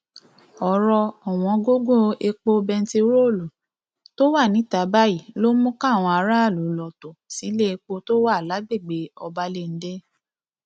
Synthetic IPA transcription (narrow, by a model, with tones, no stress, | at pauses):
ɔ˨ɾɔ˧ɔ˨w̃ɔ̃˨˧ɡo˦ɡo˦e˧k͡po˧bɛ˧n̩˦ti˧ɾo˦˨lo˨ | to˦wa˦˨nĩ˨˦ta˨˦ba˦ji˦˨lo˦mũ˦ka˦˨w̃ɔ̃˧a˧ɾa˦a˦˨lu˨˦lɔ˨to˨si˨˦le˦e˧k͡po˧to˦wa˦˨la˨˦ɡ͡be˦˨ɡ͡be˨˦ɔ˧ba˧le˦˨n̩˨˦de˦